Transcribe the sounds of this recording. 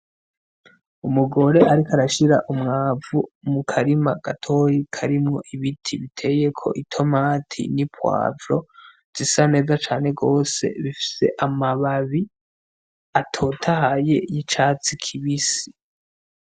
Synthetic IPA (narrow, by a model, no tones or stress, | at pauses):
umuɡo̞ɾe̞ʔaɾikaɾaʃiɾaʔumŋaːvumukʰaɾimaɡ̥atʰo̞ɾikʰaɾimŋo̞̰ʔiβitʰiβitʰe̞je̞kʰo̞̰ʔitʰo̞maːtʰḭnipwa̰ːvɾo̞ | z̥isane̞ːzat͡ʃaːne̞ɡo̞ːse̞̰βifi̥se̞̰ʔamaβaβi | atʰo̞tʰahaje̞̰jit͡ʃaːt͡sikʰiβisi